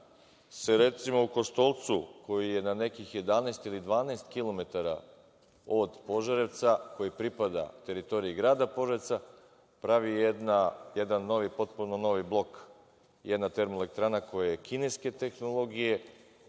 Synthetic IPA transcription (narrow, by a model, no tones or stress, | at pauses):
seɾe̞t̪simo̞uko̞st̪o̞lˠt̪suko̞jije̞nane̞kixje̞d̪anaest̪ilid̪ʋaːnaest̪kilo̞me̞t̪aɾa | od̪po̞ʒaɾet̪sako̞jipɾipad̪a̰t̪e̞ɾit̪o̞ɾiiɡɾaːd̪apo̞ʒaɾet̪sa | pɾaʋijed̪najed̪anːo̞ʋipo̞t̪punono̞ʋiblˠo̞k | jed̪nat̪e̞ɾmolek̚t̪ɾanako̞jajekineske̞t̪e̞xno̞lˠo̞ɡije̞